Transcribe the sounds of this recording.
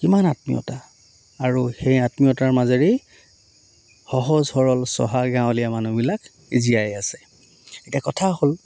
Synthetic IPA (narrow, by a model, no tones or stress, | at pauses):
kimanatmḭjɔ̰taː | ɹuxejatmijɔtaɹmazeɹe | xɔɦɔzhɔɹɔlsɔ̰ɦaɡãw̃lijamanubilak | izijajasɛ | etiakɔtʰahol